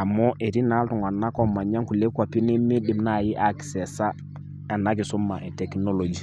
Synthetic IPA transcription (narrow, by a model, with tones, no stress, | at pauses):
a˨mɔ˦ʔe˨ɾi˦na˦ltu˨ŋa˨nːa˦kɔ˦mːa˨ɲa˦ŋku˨le˦ku˦a˨pi˦ne˦me˦ɗi˨mna˦˨ji˦ʔa˦ksɛ˨sa˦ | a˨na˦k̬i˨su˦mːa˨ʔɛ˨tɛ˨kno˦lo˨d͡ʒi˨